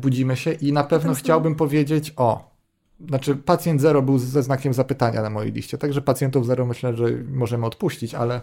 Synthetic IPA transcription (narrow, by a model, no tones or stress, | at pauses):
bud͡ʑimɘɕɛʔinapɛvn̪ɔxt͡ɕawbɘmpɔvʲjed͡ʑet͡ɕɔ | znat͡ʂɘpat̪sʲjɛnd̪zɛɾɔbɘwzɛznakʲɛmzapɘt̪aɲa̰namɔjḛjlʲḭʂt͡ɕɛt̪aɡʐɛpat̪sʲjɛnt̪uvzɛɾɔmɘɕlɛʐɛmɔʐɛmɘɔt̪puɕt͡ɕit͡ɕa̰lɛ